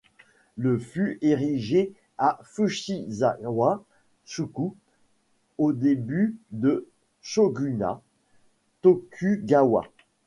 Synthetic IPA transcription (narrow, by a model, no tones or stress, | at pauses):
ləfyʔeʁiʒe | afyʃizawa | suku | od̪ebyd̪ə | ʃoɡʲyna̰ | t̪okʲʰyɡawa̰